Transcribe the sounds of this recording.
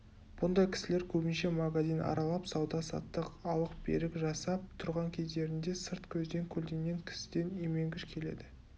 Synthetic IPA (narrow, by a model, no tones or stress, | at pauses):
b̥ʊnd̪ɑjkʲʰɪ̥sɪle̞ɾkʲʰɵbɪnʃe̞maɡazinʔɑ̰ɾɑlˠɑpsɑwd̪ɑsɑ̰t̪ːəqɑw̪ˠəq̚b̥ḛɾɪkʒɑsɑp̚t̪ʰʊɾʁɑŋkʲʰe̞zd̪e̞ɾɪnd̪e̞sɪɾt̪kʲʰɵzd̪e̞ŋkʲʰɵld̪e̞ŋɡʲe̞ŋkʲʰɪ̥sɪ̥d̪e̞neme̞ŋɡʲɪʃkʲʰe̞le̞̰d̪ɪ